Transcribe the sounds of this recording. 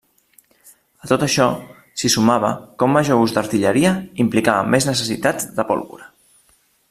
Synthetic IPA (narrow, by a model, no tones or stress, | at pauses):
ət̪ot̪əʃɔ | sisumaβ̞ə̰kɔmːəʒouzd̪əɾt̪iʎəɾiəimplikaβəmeznəsəsit̪ad͡zd̪əpɔ̰lˠβṵɾə